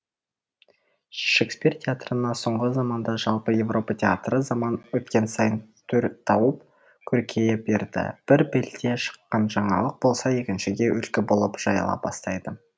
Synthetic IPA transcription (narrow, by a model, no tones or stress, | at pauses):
ʃekspirtʲʰeat̪rənɑso̞ɴʁəzɑmɑnd̪ɑʒɑlˠpəje̞vro̞pət̪ʲʰea̰t̪rəzɑmɑnwɵt̪kʲe̞nsɑjənt̪ʰɵɾt̪ʰɑwəp̚ | kʲʰɵɾkʲʰe̞jebe̞ɾd̪ɪ̰b̥ɪɾbelt̪e̞ʃə̥qːɑnʒɑɴɑ̰lˠəq̚bo̞lˠsɑje̞kʲɪnʃɪɡʲe̞ʔʏlkʲɪbo̞lˠəpʒ̥ɑjɑ̰lˠɑ̰p̚bɑ̰st̪ɑjd̪ə